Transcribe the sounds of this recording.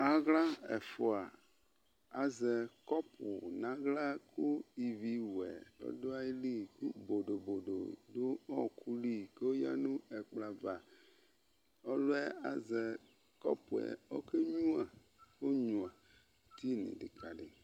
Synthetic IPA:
a˨ɣla˦ɛ̰˨fo˨a˨ | a˨zɛ˨kɔ˦pṵ˨nã˦ɣla˦ku˦i˨vi˨wɛ̰˨o̰˦do˦a˦ji˦li˦ku˦bo˨ɖo˨bo˨ɖo̰˨do˦ɔ˦kʰu˦li˦ke˦wo˦ja̰˦nũ˦ɛ˨k͡pla˨va˨ | o˦lo˦ɛ˦a˨zɛ˨ | kɔ̰˦pu˨ɛ̰˨o˦ke˦ɲũ˦a˨ | wo˦ɲũ˨a˨ | t̪i˦nḭ̃˨ɖi˨ka˨ɖe˨

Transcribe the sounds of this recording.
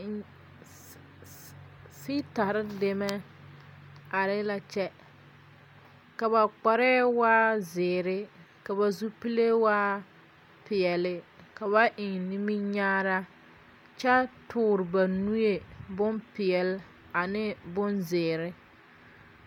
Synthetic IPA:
si˦ta˨ɾɪ˦de˨mɛ˦ | a˨ɾɪ˦la˨t͡ʃɛ˦ | ka˨ba˨k͡pa˨ɾɛ˦waː˦zɪː˨ɾɪ˦ | ka˨ba˨zu˦pi˦le˦waː˦ | pɪ˨jɛ˨lɪ˦ka˨βa˦ʔɪ˨ŋni˦mi˦ɲaː˦ɾa˦ | t͡ʃɛ˦tʊː˦ɾɪ˨ba˨nu˦je˨bʊ˦npɪ˨ɛ˨l | a˨nɪ˦bʊ˦nzɪː˨ɾɪ˦

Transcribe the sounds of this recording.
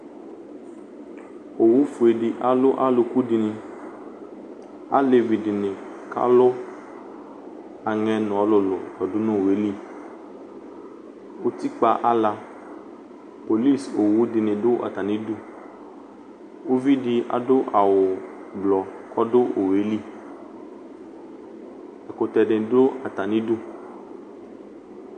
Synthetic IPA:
o˨wu˦fu˨e˨di˨ʔa˨lʊ˦ʔa˦lʊ˨ku˦di˨nɪ̃˨ | a̰˦le˨vi˨dɪ˨nɪ̃˨ | ka̰˦lʊ˦ | a˨ŋɛ˨nʊ̃˨a˦lʊ˨lʊ̰˨tɔ˨dʊ˦nʊ̃˦˨we˨˦li˦ | wo˦t̪i˦k͡pa˨ʔa˦la˧ | po˨li˦˨so˨wu˦dɪ˨nẽ˨dʊ˦ʔa̰˨t̪a˨nĩ˦du˦ | wo˦vi˦ɖi˦ʔa̰˨ɖo˦ʔa˨wʊ˨blɔ˨kɔ˦ɖo˦ʔo˨we˨˦li˦ | ɛ˨ko˨t̪ɛ˨ɖe˨do˦a˨t̪a˨nĩ˦du˦

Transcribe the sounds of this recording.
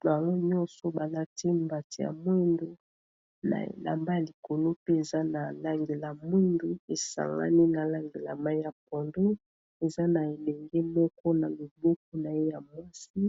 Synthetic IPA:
ba˨lo˦ɲɔ̃˦nsɔ˨ba˨la˦ti˦mba˨ti˨ja̰˨mwi˦ndu˦ | na̰˨ḛ˨la̰˨mba˦ja˨li˨ko˨lo˦pe˦e˨za˦na˨la˦ŋɡe˨la˨mwe˦ndo˨e˨sa̰˨ŋɡa̰˦ni˦na˨la˦ŋɡe˨la˨ma˦i˦ja˨p̚ɔ˨ndo˦ | e˨za˦na˨e˨lɛ˨ŋɡɛ˦mɔ˦kɔ˦na˨lo˨bɔ˦k̚ɔ˦na˨je˦ja˨mwa˦si˦

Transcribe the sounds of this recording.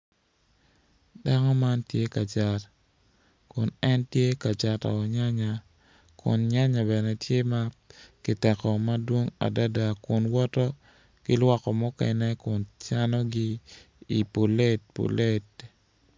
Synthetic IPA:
da˦ŋɔ˦ma˦ntje˦ka˨t͡ʃa˨t | kʊ˨nɛ˦ntje˦ka˨t͡ʃa˨ta̰˨ɔ˨ɲa˦ɲa˨ | kʊ̰˨nɲa˦ɲa˨bɛ˨nɛ˨tje˦ma˦kɪ˨tɛ˨kɔ˨ma˦dwo˦ŋa̰˨da˦da˨kʊ˨nwɔ˦tɔ˦ | kɪ˦lwa˦kɔ˨mɔ˦kɛ̰˨nɛ˦kʊ˨nt͡ʃa˦nɔ˦ɡi˦ | i˨po˨le˦t̚po̰˨le˦t̚

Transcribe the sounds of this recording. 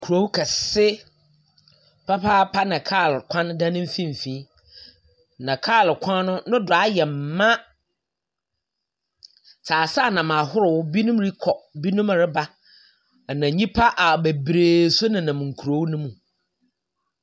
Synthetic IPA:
kʰɾo˦wu˦kʰɛ˨sɪ˦ | pʰa˦pʰaː˦pʰa˦nã˨kʰaː˦˨lkʰã˦n˦dã˦nɪ̃˦m̩˦fĩ˦m̩˨fĩ˨˦ | nã˨kʰaː˦˨lkʷʰã˦nʊ̃˦nʊ̃˦dʊ˨a˦jɛ˨m̩˨mã˦ | tʰaː˨saː˦˨nã˨mã˨ɦʊ˦ɾʊ˨wʊ˦bi˦nũ˦mɾi˦kʰɔ˨bi˦nũ˦m˨ɾɪ˦ba˦˨ | nã˨ɲĩ˦pʰa˦ʔa˨be˨bɾeː˨sʊ˦nɪ̃˨nã˨m˨ŋ̩˨kʰu˨ɾo˦wu˦nʊ̃˦mũ˨

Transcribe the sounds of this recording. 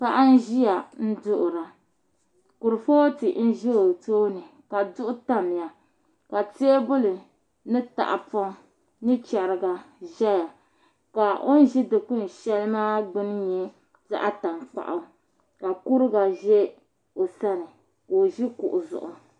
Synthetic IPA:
pa˦ʔa˦n̩˦ʒi˦ja˨n̩˦dʊ˦ʔʊ˨ɾa˨ | kʊ˨ɾɨ˨fo˦ti˨n̩˦ʒo˦o˨toː˦nɨ˨ | ka˨dʊ˦ʔʊ˦ta˦mɪ˨ja˨ | ka˨teː˦bʊ˦lɨ˨ | nɨ˦ta̰˨ʔa˨pɔ˦ | nɨ˦t͡ʃɛ˨ɾɨ˨ɡa˨ʒɛ˦ja˨ | ka˨ʔo˦n̩˦ʒi˦dɨ˨ku˦n˨ʃɛ˦lɨ˦maː˦ɡ͡bɨ˦n˦ɲɛ˦ | za̰˦ʔa˦ta˨mk͡pa̰˨ʔa˨ | ka˨ku˦ɾɨ˦ɡa˨ʒɛ˦ | o˨sa˦nɨ˨ | ko˨ʒi˦kʊ˨ʔʊ˨zʊ̰˨ʔʊ˨

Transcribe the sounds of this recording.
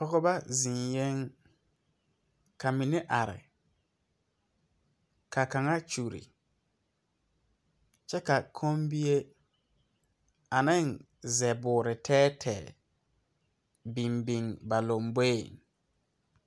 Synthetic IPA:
ɔ˦ɣɔ˦ba˦zɪ̃˨njɛ˦ŋ | ka˨mi˨nɪ˦ʔa˨ɾɪ̰˨ | kʰa˨ka˨ŋa˦t͡ʃu˨ɾḭ˨ | t͡ʃɛ˦ka˨kʰo˦mbi˦je˦ | a˨nɪ˦˨n | zɛ˨bʊː˨ɾɪ˨tʰɛː˦tʰɛ˨ | bi˨mbi˨ŋba˨lo˨mbo˦e˨ŋ

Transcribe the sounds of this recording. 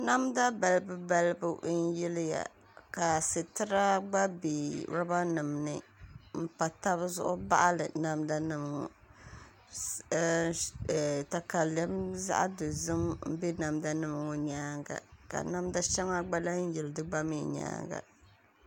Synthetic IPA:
na˦mda˦ba˨lbɨ˦ba˦lbʊ˦ʔn̩˦jɛ˦lja̰˨ | ka˨sɨ˨tɨ˦ɾa˦ɡ͡ba˦bi˨ɾa˦ba˦nɨ˨mnɨ˦m̩˦pa˨ta˦bzʊ̰˦ʔʊ˦ba˦ʔa˦lɨ˨na˦mda˦nɨ˦m˨ŋʊ̰˨˦ | ɛ˨ta˨ka˨lɛ˦mza̰˦ʔa̰˦dɨ˨zɨ˦mm̩˦be˦na˨mda˦nɨ˦m˨ŋʊ˨ɲaː˦ŋɡa̰˨ka̰˨na˦m˦da˦ʃɛ˦ŋa˦ɡ͡ba˦la˦n̩˦jɪ˨ldɨ˦ɡ͡ba˦mḭ˦˨ɲa̰ː˦ŋɡa̰˨

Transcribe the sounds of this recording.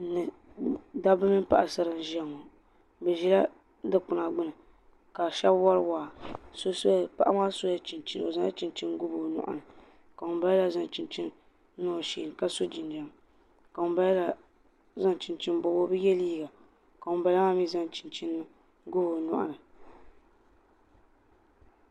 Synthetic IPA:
nɨ˨ | da˦bɨ˦mɨ˦n˦pa̰˨ʔa˨sa˦ɾɨ˦n˦ʒɛ˦ŋːo˨ | bɛ˨ʒi˦la˦ | dɨ˦k͡pʊ˨na˨ɡ͡bɨ˦nɨ˨ | ka˨ʃɛ˦bwa˦ɾwaː˨so˦so˦a˨pa˦ʔa˦maː˦so˦ja˦t͡ʃi˨nt͡ʃi˦n˨o˨za˦n˦a˦t͡ʃi˦nt͡ʃi˦n˦ɡʊ˦bo˨nʊ̰˨ʔa̰˨nɨ˨ | ka˨ʊ˨˦ba˦ɛ˦la˨za˦n˨t͡ʃi˨nt͡ʃi˦n˦ | no˦˨ʃḭ˨n˨ka˦so˦d͡ʒi˨n˨da˨m | ka˨ʊ˨˦ba˦jla˨ | za˦nt͡ʃɪ˨nt͡ʃi˦n˦bo˨wo˦bɨ˦jɛ˦liː˦ɡa˨ | ka˨ʊ˨ba˨la˦ma˦mi˦za˦n˦t͡ʃi˨nt͡ʃi˦nːɨ˦ | ɡʊ˦bo˨nʊ̰˦ʔnɨ˨

